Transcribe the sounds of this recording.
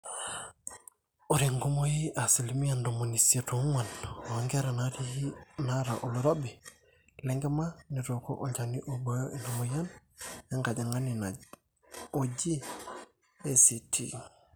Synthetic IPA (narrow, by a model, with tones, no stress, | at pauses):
o˨ɾi˨ŋɡu˦mo˦ji˦a˨si˨limija˨ndo˨mo˨ni˨sito˨˦ŋwa˨no˨a˨ŋɡe˦ɾa˨naɾina˦ɾa̰˨ʔo˨lo˨ɾo˦bi˨ | le˦ŋɡe˦ma˦ni˨ɾo˨ko̰˦ʔo˦lt͡ʃa˨ni˦ʔo˨bojo˦ʔi˨na˨muja˦nja˦ŋɡa˨ɟa˨ŋa˦ni˨na | o˨d͡ʒi˦ | e˦si˨tʰḭ˦